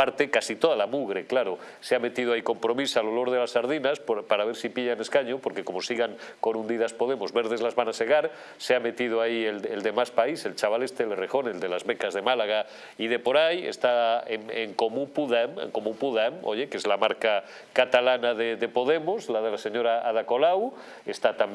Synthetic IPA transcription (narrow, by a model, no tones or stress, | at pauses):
aɾt̪ekasit̪o̞ðalamuɣɾeklaɾo | seame̞t̪ið̞oaiko̞mpɾo̞misalolo̞ɾð̞elasaɾð̞inasppaɾaβ̞eɾsipiʎane̞skaɲopo̞ɾkekomo̞siɣaŋko̞nũnd̪iðaspo̞ð̞e̞mozβe̞ɾð̞e̞zlazβanase̞ɣ̞aɾ | seame̞t̪ið̞oaieleld̪e̞maspaise̞lt͡ʃaβale̞st̪elrexo̞ne̞ld̪elazβekazð̞e̞malaɣ̞a | ið̞e̞po̞ɾajḛst̪aeŋeŋko̞mũpuðamḛŋko̞mũpuðamo̰ʝe̞kezlamaɾka | kat̪alanaðeðepo̞ðe̞mozlað̞e̞laseɲoɾaaðako̞law | est̪at̪am